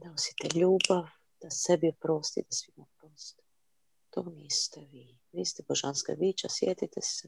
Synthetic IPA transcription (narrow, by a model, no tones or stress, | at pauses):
d̪aosi̥t̪ɛʎuːbaʋ | d̪̥asebiopɾost̪ḭd̪asʋimapɾost̪ | t̪oniːst̪ɛʋiː | ʋiːst̪ɛboʒanska̰biːt͡ʃasjet̪it̪ɛsɛ